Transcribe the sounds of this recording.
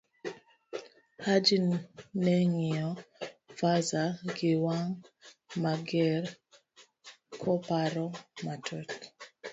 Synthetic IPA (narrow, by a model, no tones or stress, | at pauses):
had͡ʒinːɛŋiɔfazaɡɪwaŋmaɡɛɾ | kʰɔpaɾɔmatʰɔt